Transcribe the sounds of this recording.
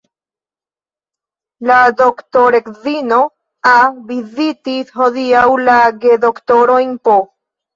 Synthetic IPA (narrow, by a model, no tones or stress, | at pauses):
lad̪okt̪oɾekðino | aβizit̪ishoðiawlaɡed̪okt̪oɾojnpo